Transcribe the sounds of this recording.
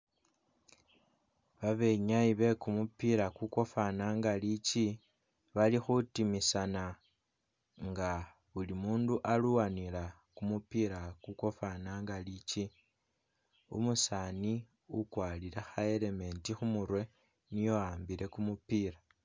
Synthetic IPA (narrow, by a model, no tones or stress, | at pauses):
βaβe̞ɲajiβe̞kumupiɾakukwo̞fanaːŋɡalit͡ʃi | βalixutimisana | ŋɡa | βulimuːnduʔaluwanila | kumupiɾakukofanaŋɡalit͡ʃi | ṵmusaːni | ukwaːliɾexae̞ɾe̞me̞ːntixumuɾwe̞ | nijo̞aːmbiɾe̞kumupiɾa